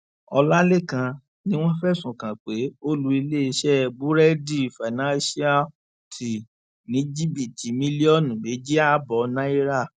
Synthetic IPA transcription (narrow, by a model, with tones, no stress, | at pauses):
ɔ˧la˦le˦˨kã˧ | nĩ˦w̃ɔ̃˦fɛ˦˨sũ˨kã˨k͡pe˨˦o˦lu˦i˧le˦i˧ʃɛ˦˨bu˦ɾɛ˦di˦˨fa˨nã˦si˦a˦ | tʰi˨ | nĩ˨˦d͡ʒi˦bi˨ti˨˦mĩ˦li˦ɔ˦˨nũ˨be˨˦d͡ʒi˦a˦˨bɔ˧nã˦i˦ɾa˦˨